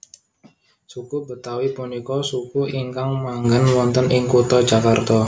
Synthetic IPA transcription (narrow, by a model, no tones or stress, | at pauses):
sukubət̪awipunikɔsukuʔiŋkaŋmaŋɡənwɔnt̪ənɪŋkut̪ɔ̥d͡ʒakart̪ɔ